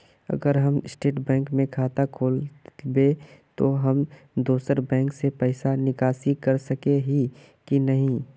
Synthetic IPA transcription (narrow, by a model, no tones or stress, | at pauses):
ɐ̰ɡəɾɦɐmɪsʈeːʈbɛ̃ːŋkmẽkʰaːt̪akʰoːlbet̪oɦɐm | d̪uːsəɾbɛ̃ːŋksepɛɪsanɪkaːsikɐɾsɐkeɦi | kinɐɦĩ